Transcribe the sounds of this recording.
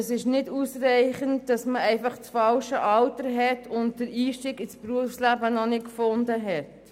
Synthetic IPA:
əsɪʃnɪdusrɛɪχəntd̥ɑsməɛɪfɑχt͡sfɑlʃəʔɑltəɾɦɛtʰʊntdəɾiːʃtiːkɪspɾuəfslæbənɔnɪtkfʊndəɦɛt

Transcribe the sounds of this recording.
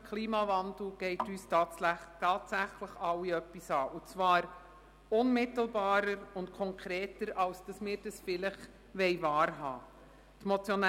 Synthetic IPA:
kʰliːmɑvɑndl̩ɡ̥ɛɪtyːstɑtɑːtsæχləχɑwiœpːisɑːʔʊt͡sʋɑːɾ | ʊnmɪtl̩bɑːɾəɾʊntkʰɔŋkʰɾeːtəɾɑlsd̥ɑsmɪːɾd̥ɑsfɪləχ | ʋɛɪvɑːɾɦɑ̰ː | tmɔt͡sjɔn

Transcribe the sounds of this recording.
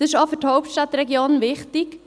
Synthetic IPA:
ɪʃɔfʏthoʊp̚tʃtɑt̪ɾɛɡjoːnʋɪχt̪ɪk

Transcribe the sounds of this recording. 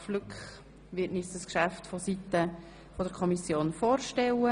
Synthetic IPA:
flʏkχ | ʋɪtnɪsdəskʃæftfɔsit̪ə | fɔdəɾkʰɔmisjoːnfoːɾʃtɛlə

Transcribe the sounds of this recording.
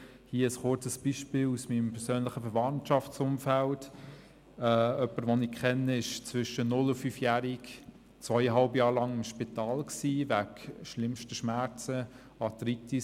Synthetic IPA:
hiːəəsχʊɾt͡səsb̥iʃpiːlusmimpʰɛɾsøːnlɪχəfəɾvɑntʃɑft͡sʊmfælt | ɛœpəɾʋonɪkʰχɛnːəɪʃt͡svʏʃənʊlʊfyːfjæːɾik | t͡svœɪəɦɑlbjɑːɾlɑŋɪmʃpitɑːlksiːvækʃlɪmʃtəʃmæɾt͡sə | ɑtɾiti

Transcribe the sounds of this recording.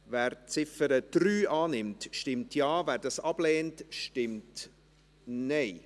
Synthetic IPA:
væːɾt͡sɪfəɾəd̥ɾyːʔɑːnɪmtʃtɪmtʰjɑːvæːɾdɑsɑb̥lɛːntʃtɪmt | nɛɪ

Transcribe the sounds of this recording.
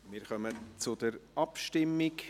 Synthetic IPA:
mɪːɾχœmət͡sʊd̥əɾʔɑpʃtɪmːɪk

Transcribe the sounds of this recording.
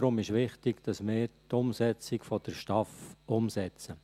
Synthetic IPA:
ɾʊmɪʃʋɪχtɪɡd̥ɑsmɪːɾtʊmsɛt͡sɪkfɔd̥əɾʃtɑfʊmsɛt͡sə

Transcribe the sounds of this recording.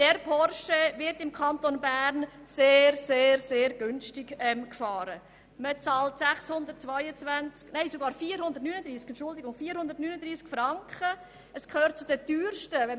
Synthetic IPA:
d̥ɛɾpʰɔrʃəvɪɾtɪmkʰɑntonbæɾn | seːɾseːɾseːɾɡʏnstɪkɛmkfɑːɾə | mət͡sɑːltsæχshʊnd̪ətt͡sʋaɪət͡sʋænt͡sknæɪsoɡɑːɾfiːəɾhʊnd̪əɾtnyːnəd̪ɾiːskɛntʃʊldɪɡʊŋfiːəɾhʊnd̥̪ərtnyːnədɾiːskfɾɑŋkχə | əskʰøːrt̚t͡sʊd̥əd̥yːrʃtəvɛ

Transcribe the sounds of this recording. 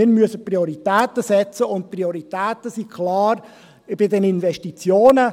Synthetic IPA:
ɪɾmyəsəpriɔɾitɛːtəsɛt͡səʊnt̚prioɾit̪ɛːtəsikʰlaːɾ | ɪb̥ɪdɛninvɛʃtit͡sjoːnə

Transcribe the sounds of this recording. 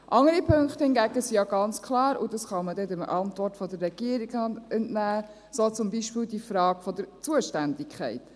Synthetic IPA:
ʔɑŋəɾipʰɵŋkχthɪnɡæɡəsijɑɡ̥ɑnt͡skʰlɑːɾṵd̥ɑsχɑmədɛdɛməʔɑntvɔrtfɔdərːɛɡ̥iəɾiɡɛntnæː | sot͡sʊmbiʃpiːldifɾɑːɡfɔd̥̪əɾt͡suəʃtændɪkʰχɛɪt

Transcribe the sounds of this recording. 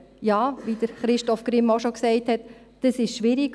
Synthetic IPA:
jɑːʋid̥əɾχɾɪʃtɔfɡ̥ɾɪmːoʃɔksɛɪthɛt | d̥əsɪʃʃʋɪɾik

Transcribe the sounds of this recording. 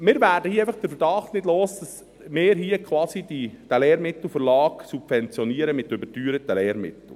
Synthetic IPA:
mɪːɾvæːɾdəhiəeɪfɑχd̥əɾfəɾd̥ɑχtnɪdloːsd̥ɑs | mɪːɾɦiəkχwɑːsidid̥ælɛːɾmɪt̪l̩ˠfəɾlɑːksubfɛnt͡sjɔniːəɾəmɪt̪øbətyːɾət̪əlɛːɾmɪ̰t̪l̩ˠ

